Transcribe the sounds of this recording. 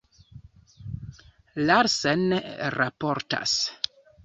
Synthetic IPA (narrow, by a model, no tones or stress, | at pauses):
laɾsɛnrapɔɾta̰s